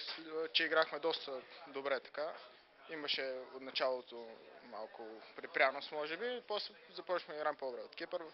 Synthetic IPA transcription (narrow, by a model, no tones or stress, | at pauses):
t͡ʃɛiɡɾaxmɛd̪ɔst̪əd̪obɾɛt̪ɐ̥ka | imɐʃɛot̪nɐt͡ʃalˠot̪o | ma̰lˠkʊpɾipɾʲjanosmɔʒɛbipɔsɛ | zɐpɔt͡ʃi̥xmɛiɡɾampod̪bɾɛot̪kipəɾ